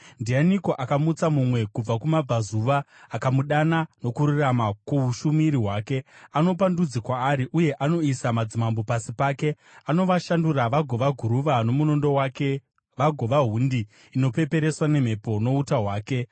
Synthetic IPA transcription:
ndianiko̞ʔakamut͡samumwe̞kub͡vakumab͡vazuʋaː | kamuɗanano̞kuɾuramakuuʃumiɾiɦwaːke̞ano̞p̬andud͡zikwaːɾiʔuje̞ʔano̞isamad͡zimambo̞pasipaːke̞ | ano̞ʋaʃanduɾaʋaɡʱo̞ʋaɡʱuɾuʋano̞muno̞ndo̞wake̞ | ʋaɡʱo̞ʋaɦundi | ino̞pe̞pe̞ɾe̞swane̞m̤e̞po̞no̞utaɦwaːke̞

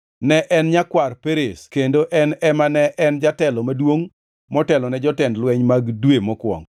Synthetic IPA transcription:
nɛʔɛnɲakwarpeɾeskendoʔɛnɛmanɛʔɛnd͡ʒatɛlɔmadwoŋ | mɔtɛlɔnɛd͡ʒɔtɛndlwɛɲmaɡdwemɔkwɔ̰ŋ

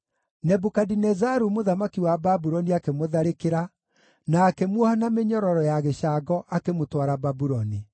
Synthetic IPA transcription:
nɛbukadinɛzaɾumoðamakiwababuɾɔniakemoðaɾekeɾa | naːkemwɔhanameɲɔɾɔɾɔjaɣeɕaɡɔʔakemotwaɾababuɾɔni

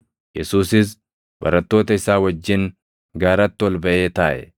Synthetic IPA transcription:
jɛsuːsɪs̬ | bɐ̰ɾɐt̪ːo̞ːt̪ɐɪsaːwɐd͡ʒːɪn | ɡaːɾɐt̪ːɪɔlbɐʔeːt̪aːʔɛ̰

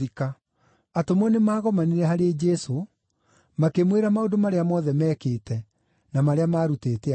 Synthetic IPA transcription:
ika | atomɔnemaːɣɔmaniɾɛɦaɾed͡ʒɛso | makemweɾamaondomaɾeamɔːðɛmɛːkeːtɛ | namaɾeamaːɾuteːtea

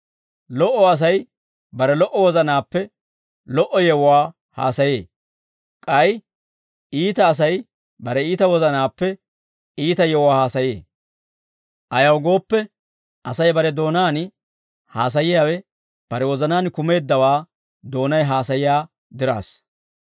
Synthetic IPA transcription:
lɔʔːɔɐs̬ɐj | bɐɾɛlɔʔɔwɔzɐnaːpːɛ | lɔʔɔjɛwwaː | ha̰ːsɐjḛː | kʼɐj | iːt̪ɐːs̬ɐj | bɐɾɛiːt̪ɐwɔzɐnaːpːɛ | iːt̪ɐjɛwʊwaːhaːsɐjeː | ʔɐjɐwɡo̞ːpːɛ | ʔɐsɐjbɐɾɛd̪o̞ːnaːn | haːs̬ɐjɪjaːwɛ | b̥ɐɾɛwɔzɐnaːnkʊme̞ːd̪ːɐwaː | d̪o̞ːnɐjɦaːsɐjɪjaː | d̪ɪɾa̰ːs

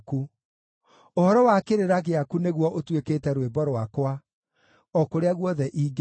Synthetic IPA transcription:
ku | ohɔɾɔwakeɾeɾaɣeakuneɣwɔʔotweketɛɾwebɔɾwakowa | ɔkoɾeaɣwɔðɛʔiːɡ

